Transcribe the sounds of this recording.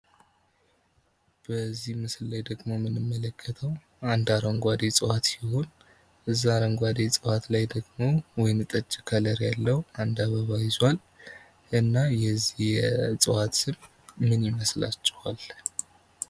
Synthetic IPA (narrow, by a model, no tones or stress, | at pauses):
b̥əzːihmɨsɨllajd̪əɡmo̞mɨnɨmːələkʰːət̪ʰəw | and̪aɾəŋɡʷad̪et͡sʼɨwat̪jɪho̞n | ʔɨzːaɾəŋɡʷad̪esʼɨwat̪lajd̪əɡmo̞wɔjnt̪ʼət͡ʃʼːɪkʰələɾjalːəhuand̪aβəβajɪzwal | ʔɨnːajɛzːijɛt͡sʼɨwat̪sɨmː | ɨnjɪməsla̰t͡ʃʼːɪhal